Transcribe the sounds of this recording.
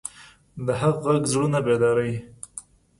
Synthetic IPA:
d̪əɦaɣːaɡzɽunabed̪ɑɾaj

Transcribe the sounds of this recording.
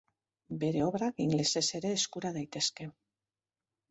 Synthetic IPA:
be̞ɾe̞o̞βɾakiŋɡle̞se̞se̞ɾe̞ːskuɾað̞ajt̪e̞ske̞

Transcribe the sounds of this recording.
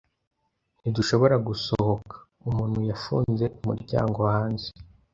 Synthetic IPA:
niduʃo̞βo̞ɾaɡusoho̞kḁ | umuːn̥hujafṵːnze̞mṵɾɟa̰ːŋɡo̞haːɲze

